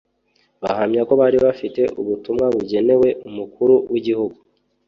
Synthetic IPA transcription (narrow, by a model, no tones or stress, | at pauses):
βahamɲako̞βaːɾiaβafite̞ʔuβutumŋaβuɟe̞ne̞we̞ʔumukʰuɾuwiɟihuɡu